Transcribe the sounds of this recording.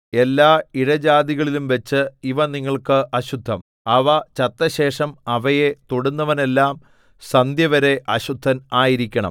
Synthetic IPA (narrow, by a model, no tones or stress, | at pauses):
e̞lːaːiɽɐd͡ʑaːd̪iɣɐɭilumʋet͡ɕːɨiʋɐniŋːɐɭkɨʔɐɕud̪ʱːɐm | ɐʋɐt͡ɕɐt̪ːɐɕe̞ːʂɐmɐʋɐje̞t̪oɽunːɐʋɐne̞lːaːm | sɐnd̪jɐʋɐɾe̞ʔɐɕud̪ʱːɐnaːjiɾikʲːɐɳɐ̰m